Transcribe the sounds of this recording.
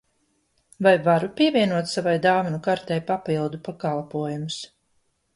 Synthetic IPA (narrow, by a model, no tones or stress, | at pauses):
vajvaɾupʲiɛvʲiɛnuɔt̪savajd̪aːvinukaɾt̪ɛjpapilˠd̪upakalˠpuɔjumus